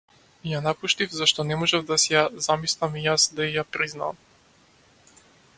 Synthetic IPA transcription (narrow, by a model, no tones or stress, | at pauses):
ijanapuʃt̪ivzaʃt̪ɔnɛmɔʒɛvd̪asɛjazamislˠamijasd̪aijapɾizna̰ːm